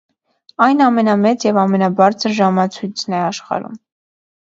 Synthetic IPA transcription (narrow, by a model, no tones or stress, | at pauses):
ɑjnɑmɛnɑmɛt͡sjɛvɑmɛnɑbɑɾt͡sʰəɾʒɑmɑt͡sʰujt͡sʰnɛɑʃχɑ̰ɾṵm